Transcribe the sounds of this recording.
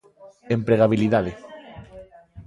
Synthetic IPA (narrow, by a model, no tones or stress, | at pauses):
empɾeɣaβiliðaðe